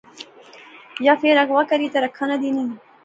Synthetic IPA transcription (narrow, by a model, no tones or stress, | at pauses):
jafeɾaɡwakaɾit̪aɾakʰanad̪ini